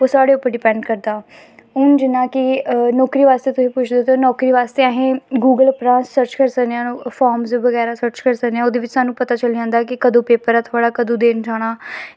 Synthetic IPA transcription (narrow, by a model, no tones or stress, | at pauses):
oːsaːɽeːʊpːəɾɖɪpɛ̃ːɳɖkəɾd̪aː | ʊnd͡ʒɪnãːkɪnɔːkɾiːʋaːst̪eːt̪ʊsĩːpʊt͡ʃʰd̪eːt̪eoːnɔːkɾiːʋaːst̪eːaɦẽːɡuːɡəlpɾãːnssəɾt͡ʃkəɾsəkneãːfʰaːɾmzʋəɡɛːɾaːsəɾt͡ʃkəɾsəkneãoːd̪eːʋɪt͡ʃsaːnũːpət̪aːt͡ʃəld͡ʒãːnd̪aːkɪkəd̪õːpeːpəɾaːt̪ʰoaːɽaːkəd̪õːd̪eːnd͡ʒaːɽ̃aː